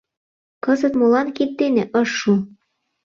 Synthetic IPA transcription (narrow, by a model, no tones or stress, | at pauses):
kɤ̆zə̆t̪molɑnkit̪ːenĕʔɤ̆ʃːu